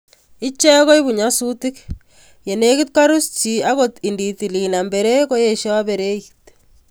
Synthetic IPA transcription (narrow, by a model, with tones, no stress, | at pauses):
i˦t͡ʃɛ˦ko˦i˦βu˨ɲa˦su˦tik | je˨ne˦ki˦t̚ka˦ɾu˦sti˨aɣo˦ti˨ndi˨ti˨li˨na˨mbe˨ɾe˦ko˦je˨ʃɔ˦a˦be˨ɾe˦it